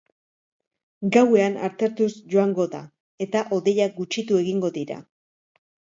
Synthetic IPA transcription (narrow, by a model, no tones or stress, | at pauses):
ɡawe̞ana̰ɾt̪e̞ɾt̪usʝo̞aŋɡo̞ða̰ | e̞t̪aʔo̞ðe̞jaɡut͡ʃit̪ue̞ɣiŋɡo̞ðiɾa̰